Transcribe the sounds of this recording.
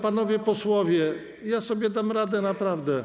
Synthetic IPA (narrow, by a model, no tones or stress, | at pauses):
panɔvʲjɛpɔswɔvʲjɛ | jasɔbʲjɛd̪amɾad̪ɛnapɾavd̪ɛ